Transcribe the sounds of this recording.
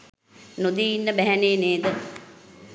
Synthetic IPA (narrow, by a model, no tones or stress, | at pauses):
nud̪iinːəbɛɦæneːneːd̪ə